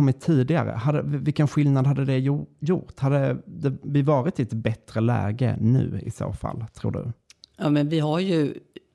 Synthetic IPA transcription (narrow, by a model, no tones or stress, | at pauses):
ɔmːɪt̪ʰːiːd̪ɪɡa̰ɾə̰had̪əvɪlkənɧɪlnad̪had̪ːəd̪ɛjʊɾt̪had̪ːəd̪ɛvɪvɑːɾɪt̪ɛt̪bɛt̪ɾəlɛ̰ːɡə̰nʉ̟ːɪ̰so̰ːfa̰lːt̪ʰɾuːɖɵ̰jɑːmɛnvɪɦaɾjɵ